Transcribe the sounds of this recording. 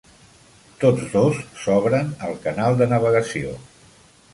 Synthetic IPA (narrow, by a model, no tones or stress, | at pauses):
t̪od͡zd̪osːɔβ̞ɾənəlˠkənalˠd̪ənəβ̞əɣəsio̰